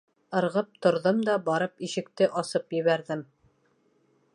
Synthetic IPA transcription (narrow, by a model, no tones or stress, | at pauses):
ɤ̆ɾʁɤp̚t̪ŏɾðɤmd̪ɑbɑɾɤpiʃɘ̆kt̪ɘʔɑsɤpjɘ̆βæɾðɘm